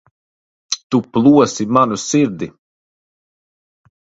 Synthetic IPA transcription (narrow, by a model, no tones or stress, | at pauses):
t̪uplˠuɔsimanusiɾd̪i